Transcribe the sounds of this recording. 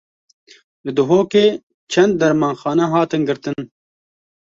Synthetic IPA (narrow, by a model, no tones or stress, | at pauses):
lɨd̪ʊɦoːkeː | t͡ʃʰɐnd̪̚ːɐɾmaːnxɑːnɐɦɑːt̪ɨnɡɨɾt̪ɨn